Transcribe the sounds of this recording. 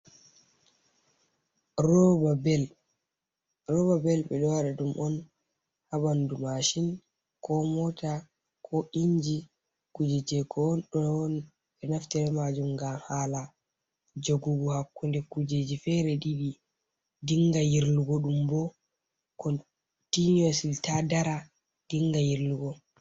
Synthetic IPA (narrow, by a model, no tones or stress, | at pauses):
ɾɔbabɛl | ɾɔbabɛlɓɛɗɔwaɗaɗumʔɔn | haɓandumaʃin | kɔmɔta | kʰɔʔiɲd͡ʒi | kud͡ʒɛd͡ʒɛkʰɔnɗɔn | ɓɛnaftɛɾɛmad͡ʒumɡamhaːla | d͡ʒoɡuɡuhakːundɛkud͡ʒed͡ʒifɛɾɛɗiɗi | diŋɡajiɾluɡɔɗumbɔ | kɔn | tiniɔsiltadaɾa | d̥iŋɡajiɾluɡɔ